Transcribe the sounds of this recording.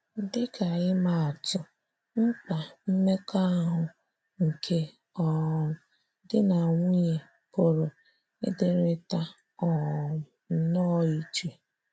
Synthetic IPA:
dɪ˦ka˨ɪ˦ma˨a˨tʊ˦ | ŋ͡m̩˦k͡pa˨m̩˦me˦ka˦ɦʊ˨ | ŋ̩˨kʰe˦ | ɔ˨ | dɪ˦na˨ŋʷu˦ɲe˨ | po˨ɾo˨ | ɪ̰˦dɪ˦ɾɪ˦ta˦ | ɔ˨˦ | nɔ˦i˦t͡ʃe˨

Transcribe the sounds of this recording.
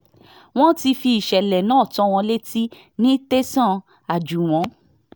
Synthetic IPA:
w̃ɔ̃˦ti˧fi˧i˨ʃɛ˨lɛ˨nãː˨˦˨tɔ̃˨˦w̃ɔ̃˧le˦ti˦ | nĩ˦te˦sã˦˨ | a˨d͡ʒu˨w̃ɔ̃˨˦

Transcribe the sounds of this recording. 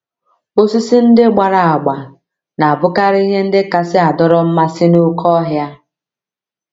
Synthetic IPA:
o˦si˦si˦n̩˦dɪ˦ɡ͡ba˨ɾa˨a˨ɡ͡ba˨ | na˨a˨bʊ˦ka˦ɾɪ˦i˦ɦe˦n̩˦dɪ˦ka˦sɪ˦a˨dɔ˦ɾɔ˦m̩˦ma˦sɪ˦nʊ˦kʰɔ˦ɦja˦

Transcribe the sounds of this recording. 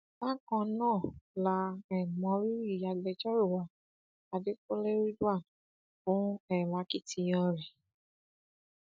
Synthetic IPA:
ba˦kɔ̃˧nãː˦˨la˧ɛ˨mɔ̃˧˦ɾi˦ɾi˦˨ja˧lɛ˧d͡ʒɔ˦ɾu˦˨wa˨ | a˧de˦ko˦le˦ɾi˦du˦a˦˨n | fũ˨˦ɛ˦˨la˨˦ki˦˨ti˧j̃ɔ̃˧ɾi˨

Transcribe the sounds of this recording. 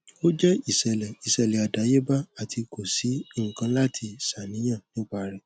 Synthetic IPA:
o˦d͡ʒɛ˦i˨sɛ˨lɛ˨i˨sɛ˨lɛ˨a˨da˨˦je˦ba˦a˨tʰi˧ko˨si˨˦i˦˨ŋ̩˨kã˧˦la˦tʰi˧sa˨nĩ˨˦j̃ã˦˨nĩ˦k͡pa˦ɾɛ˨

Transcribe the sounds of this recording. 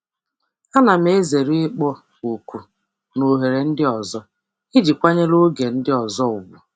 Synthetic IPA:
a˦na˨m̩˦e˦ze˨ɾi˦ɪ˦k͡pɔ˦ | u˨kʷu˨ | no˨ɦe˨ɾe˨n̩˦dɪ˦ɔ˨zɔ˦ | ɪ˦d͡ʒi˨kʷa˦ɲe˦lo˦ɡe˨n̩˦dɪ˦ɔ˨zɔ˦ʊ˨bʊ̰˨

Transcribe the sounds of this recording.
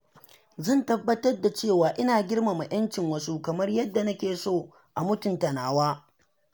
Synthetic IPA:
zɐ˦˨ntɐ˦bːɐ˦tɐ˦rda˨t͡ʃeː˦˨waː˨ʔɪ˦naː˨ɡʲɪ˦rma˨ma˨j̰ɐ˦nt͡ʃɪ˨ŋwɐ˦su˦kɐ˨mɐ˦rjɐ˦dːa˨nɐ˦kʲeː˨soː˦˨ | ʔa˨mʊ˦tʊ˨ntɐ˨naː˨waː˦

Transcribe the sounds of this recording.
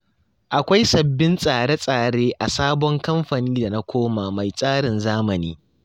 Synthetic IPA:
ʔa˨kʷa˦jsɐ˨bːɪ˦nsʼaː˨ɽe˦sʼaː˨ɽeː˦ʔa˨saː˦bɔ˦ŋkɐ˦mɸaː˨niː˦da˨na˦kʷoː˦ma˨ma˨jsʼaː˦ɽɪ˨nzaː˦mɐ˨niː˦

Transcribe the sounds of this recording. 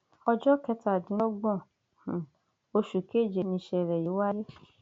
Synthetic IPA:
ɔ˧d͡ʒɔ˦kɛ˧˦ta˦˨dũ˨˦ɔ˦ɡ͡bɔ̃˦˨ | o˧ʃu˨ke˦˨d͡ʒe˨˦nĩ˧˦ʃɛ˧˨ɾɛ˨ji˨˦wa˦ɾe˦

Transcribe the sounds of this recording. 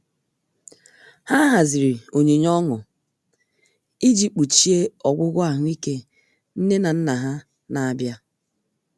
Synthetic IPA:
ha˦ɦa˨zɪ˨ɾi˨o˨ɲe˨ɲɔ˦ŋɔ˨ | i˦d͡ʒi˨k͡pu˨t͡ʃi˦e˦ɔ˨ɡʷʊ˦ɡʷʊ˦a˦ɦʊ˦i˦ke˦ | n̩˦ne˦na˨n̩˦na˨ɦa˦ | na˨a˨bja˦

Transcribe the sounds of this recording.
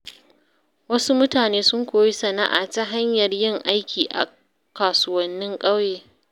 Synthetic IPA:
wɐ˦su˦mʊ˦taː˨neː˦sʊ˦ŋkʷoː˨ji˦sɐ˨na̰˦ʔa̰˨ta˦ɦa˦ɲjɐ˨rjɪ˦˨ŋʔa˦jkʲiː˨ʔa̰˨ | kaː˨sʊ˦˨wɐ˦nːɪ˦ŋkʼɐ˦wjeː˨

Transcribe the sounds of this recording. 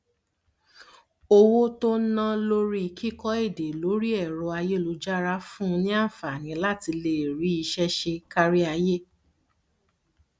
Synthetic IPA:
o˧wo˦to˦nã˦lo˦ɾi˦˧˨ki˦kɔ˦e˦˨de˨lo˨˦ɾi˦ɛ˦˨ɾɔ˧a˧je˦˨lu˧d͡ʒa˦ɾa˧˦fũ˦˧˦nĩ˦a˦˨fa˨nĩ˨˦la˦ti˧le˨ɾi˨˦i˧ʃɛ˦ʃe˧ka˦ɾi˦a˧je˦

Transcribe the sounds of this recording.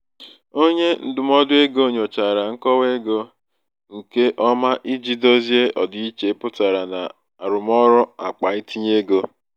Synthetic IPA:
o˦ɲe˦n̩˦dʊ˨mɔ˦dʊ˦e˦ɡo˦˨ɲo˨t͡ʃa˨ɾa˨ŋ̩˦kɔ˦we˦ɡo˦ | ŋ̩˨ke˦ʔɔ˦ma˦ʔi˦d͡ʒi˦do˦zje˦ʔɔ˨dʊ˦i˦t͡ʃe˨˦pʊ˦ta˨ɾa˨na˨ | a˨ɾʊ˨mɔ˦ɾɔ˦a˨k͡pa˨i˦tʰi˦ɲe˦ɡo˦

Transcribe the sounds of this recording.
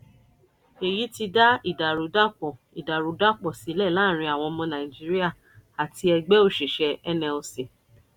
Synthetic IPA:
e˨ji˨˦ti˧da˦i˦˨da˨ɾu˨˦da˦k͡pɔ˨ | i˨da˨ɾu˨˦da˦k͡pɔ˦˨si˨˦lɛ˦˨lãː˦˨ɾ̃ĩ˧˦a˨w̃ɔ̃˧mɔ̃˧nã˨ĩ˨d͡ʒi˦ɾi˦a˦˨ | a˨ti˧ɛ˧ɡ͡bɛ˦o˦˨ʃe˨ʃɛ˨˧ɛ˧nɛ̃˧o˧se˨

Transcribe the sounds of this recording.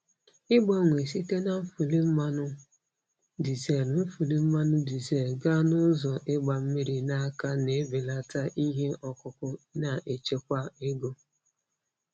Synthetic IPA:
ɪ˦ɡ͡bɔ˦ŋʷe˨s̬i˦te˦na˨m̩˦fu˨li˦m̩˦ma˦nʊ˦ | di˨ze˦˨lm̩˦fu˨li˦m̩˦ma˦nʊ˦di˨ze˨lɡa˦nʊ˦zɔ˨ʔɪ˦ɡ͡ba˨m̩˦mi˦ɾi˨na˦ka˦ne˨˦be˨la˦ta˦ʔi˦ɦe˦ʔɔ˨kʊ˦kʷʊ˦na˨ʔe˨t͡ʃe˦kʷa˦e˦ɡo˦

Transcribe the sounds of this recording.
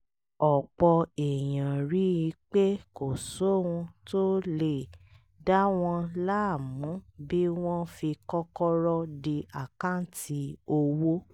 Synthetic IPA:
ɔ˨k͡pɔ˧e˨j̃ã˨ɾi˨˦i˧k͡pe˦ko˨so˦ũ˧to˦le˨ | da˦w̃ɔ̃˧la˦˨mũ˨˦bi˦w̃ɔ̃˦fi˧kɔ˦kɔ˦ɾɔ˦de˧a˨kã˦ti˧o˧wo˦

